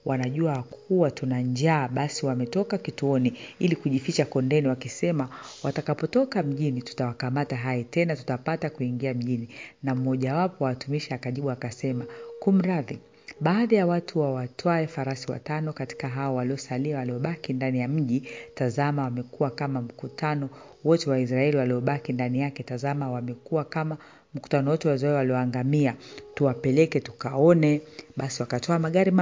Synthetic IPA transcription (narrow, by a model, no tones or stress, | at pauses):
wʔanaʄuakʰuwatunaɲd͡ʒaːɓasiwamɛtɔkakituɔniilikuʄifit͡ʃakɔndɛniwakisɛmawatakapɔtɔkam̩ʄinitu̥tawakamataɦajɛtɛnatu̥tapatakuiŋɡiam̩ʄininam̩ɔʄawapɔwawatumiʃiakaʄiɓuakasɛmakum̩ɾaði | ɓaːðajawatʰuwawatʰɔaɛfaɾasiwa̰tanɔkati̥kaɦaɔwaliɔsaliawaliɔɓakindanijam̩ʄitazamawamɛkuwakamam̩kutanɔ | wɔtɛwais̬ɾaɛliwaliɔɓakindanijakɛtazamawamɛkuwakama | m̩ku̥tanɔwɔtɛwazɔɛwaliɔaŋɡamiatuwapɛlɛkɛtukaɔnɛɓasiwakatɔamaɠaɾi